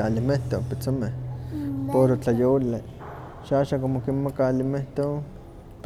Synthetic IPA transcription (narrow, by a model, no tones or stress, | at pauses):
alimeht̪opet͡somehpoɾot͡ɬajole | ʃaaːʃaŋkomokinmakaːlimeht̪o | p